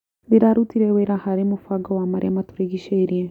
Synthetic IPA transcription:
diɾaɾutiɾɛweɾahaɾemofaɡɔwamaɾamatuɾeɡiʃɛiɾiɛ

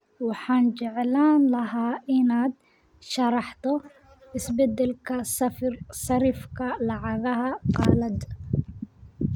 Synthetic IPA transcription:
wɑħɑːnt͡ʃɛʕɛlaːnlɐɦaːʔɪnaːd̪ | ʃɐɾɑħt̪ɔ | ɪsbɛd̪ɛlkʰɐssɐɾifkʰɐlɑʕɑɣɐɦɐqɑːlɐd̪

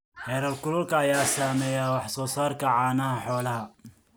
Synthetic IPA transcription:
hɛːɾɐlkʰʊlʊlkʰɐːjaːsaːmɛːjaːwɑħsɔːsaːrkʰɐʕɑːnɐɦɐħɔːlɐɦɐ

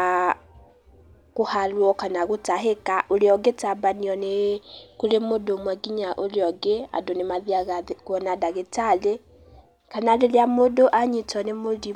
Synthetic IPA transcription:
a | ɣohalwɔkanaɣotaɦekaʔoleɔɡetabaniɔnekulemodomwaɡiɲaʔoleɔɡea̰donemaðiaɣakwɔnadaɣetale | kanalelamodoʔaɲitɔnemodi

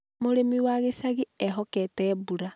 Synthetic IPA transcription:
moɾemiwaɣesaɣiɛɦɔkɛtɛːβuɾa

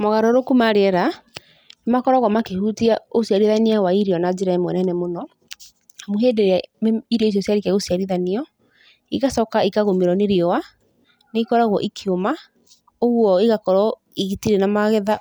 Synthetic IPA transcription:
mɔɣaɾɔɾokumaɾeɛɾa | nemakɔɾɔɣɔmakehutiaosiaɾiðaniawaiɾiɔnad͡ʒɛɾaɛmwɛnɛnɛmonɔ | amoɦeːdeɾeaiɾiɔis̬ɔsjaɾikɛɣosiaɾiðaniɔ | iɣasɔkaikaɣomeɾɔneɾiɔwa | neikɔɾaɣwɔʔikʰioma | oɣwɔiɣakɔɾɔ | iɣitiɾenamaɣɛða

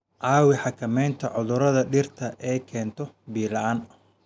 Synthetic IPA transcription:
ʕɑːwɪħɑkʰɐmɛjnt̪ʰɐʕʊðʊɾɐðɐɖɪrt̪ʰɐʔɛːkʰɛːnt̪ʰɔ | biːlɐaːn

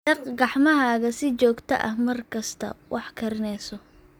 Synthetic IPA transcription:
dɐqɡɑħmɐɦaːɣɐsɪt͡ʃɔːɡt̪ʰɐ̰ʔɐhmɐrkʰɐst̪ʰɐ̰wʔɑħkʰɐɾɪnɛsɔ

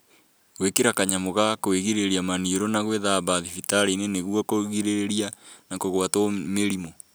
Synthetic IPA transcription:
ɣwekeɾakaɲamoɣakoeɣiɾeɾiamanioɾonaɣweðaβaðifitaɾineneɣuɔkoɣiɾeɾeɾianakoɣwatomeɾimo

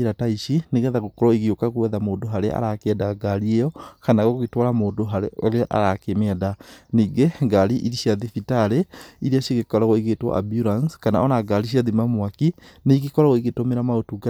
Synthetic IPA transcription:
iɾataiʃineɣɛðaɣokɔɾɔiɣiokaɣuɛðamoːndoɦaɾeʔa̰ɾakɛdaɡaɾiejɔkanaɣɔɣoɣetwaɾamoːndoɦaɾḛoleʔa̰ɾakemɛdaniːɡeŋɡaliʔiɾiʃiaðifitaɾeiɾiaʃiɣekɔɾaɣɔiɣetwa̰ʔa̰bjuɾanskanaɔnaɡaɾiʃ̬iaðimamwaki | neɣikɔɾaɣoiɣetomeɾamaotuɡa

